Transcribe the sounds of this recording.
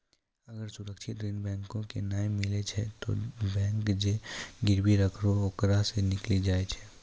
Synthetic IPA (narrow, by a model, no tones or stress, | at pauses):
ɐɡəɾsʊɾəkʃʰɪt̪ɾɪnbɛ̃ːŋkõkenaːmːɪlet͡ʃʰɛt̪o̰bɛ̃ːŋkd͡ʒeɡɪɾbiɾəkʰɾookɾasenɪklid͡ʒaːet͡ʃʰɛ